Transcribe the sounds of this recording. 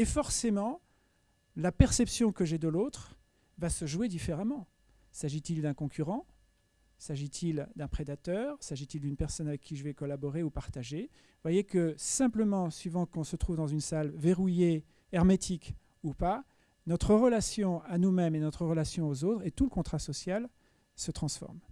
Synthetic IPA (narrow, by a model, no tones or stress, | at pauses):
efɔʁsemɑ̃ | lapɛʁsɛpsjɔ̃kəʒɛd̪əlot̪χ | vasəʒwed̪ifeʁamɑ̃ | saʒit̪ild̪ɛ̃kɔ̃kʰʲyʁɑ̃ | saʒit̪ʰild̪ɛ̃pχed̪at̪œːʁsaʒit̪ild̪ynpɛʁsɔnavɛkʰʲːiʒəvɛkɔlabɔʁeupaʁt̪aʒe | vwajekəsɛ̃pləmɑ̃sɥivɑ̃kɔ̃sət̪χuvd̪ɑ̃zynsalveʁuje | ɛʁmet̪ʰik | upa | nɔt̪χəʁəlasjɔ̃anumɛmenɔt̪χəʁəlasjɔ̃ozot̪χet̪uləkɔ̃t̪χasɔsjal | sət̪χɑ̃sfɔ̰ʁm